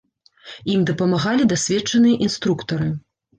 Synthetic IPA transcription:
imd̪ɐpɐmaɣalʲid̪asʲvʲɛt͡ʂːɐnɨjɐʔinst̪ɾukt̪ɐɾɨ

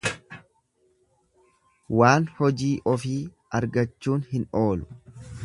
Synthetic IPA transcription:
waːnhɔd͡ʒiːʔɔfiː | ɐɾɡɐt͡ʃːuːnhɪno̞ːlʊ̥

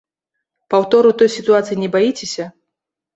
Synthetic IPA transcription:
pawt̪ɔɾut̪ɔjsʲit̪uat̪sɨjinʲɛbajit͡sʲesʲɐ

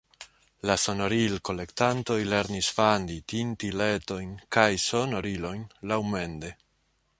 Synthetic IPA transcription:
laso̞no̞ɾilko̞le̞ktanto̞jle̞ɾnisfanditintile̞to̞jnkajso̞no̞ɾilo̞jnlawme̞nde̞

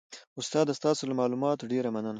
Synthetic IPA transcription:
ʊst̪ɑd̪ast̪ɑsolamɑlumɑt̪oɖeɾamanəna

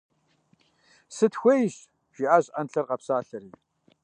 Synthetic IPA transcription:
sɨtxʷejɕ | ʒ̥iʔaːʑʼʔɐnɬɐrqɐpsaːɬɐɾiː

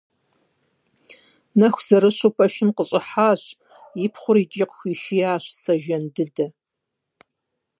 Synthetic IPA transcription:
nɐxʷz̥ɐɾɨɕʊpʰɐʃɪmqəɕʼɪħaːɕ | jɪpχʷʊɾit͡ʃʼɪqxʷiːʃijaːɕsɐʒɐndɨdɐ

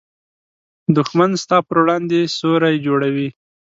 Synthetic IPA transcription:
d̪ʊxmanst̪ɑpəɾwɽɑnd̪esoɾajd͡ʒoɽawi

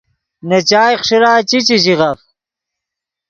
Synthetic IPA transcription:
net͡ɕaːjχʂiɾaːt͡ɕit͡ɕiɕiɣɐf

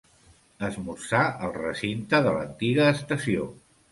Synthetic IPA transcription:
əzmusaəlˠrəsint̪əðələnt̪iɣəːst̪əsio

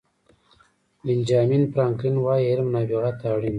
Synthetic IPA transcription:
lind͡ʒaːminpɾaːŋkinwajeɾmnaːbiɣat̪aːɽin

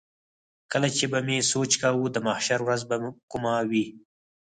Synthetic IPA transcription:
kəlat͡ʃebamesot͡ʃkawud̪əmahʃaɾwɾazbakʊmawi

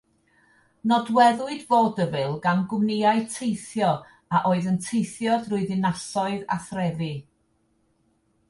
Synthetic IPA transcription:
nɔdwɛðʊɨdvoːdəvɨlˠɡanɡʊmnɪaɨtʰejθjɔ | aʔoːɨðəntʰejθjɔdrʊːɨðɪnasɔɨða̰θrɛðɨ

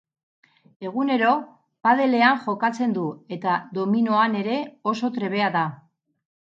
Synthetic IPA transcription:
e̞ɣ̞une̞ɾo̞ | paðe̞le̞aŋʝo̞kat͡se̞nd̪ue̞t̪aðo̞minoane̞ɾe̞o̞so̞t̪ɾe̞β̞e̞aða

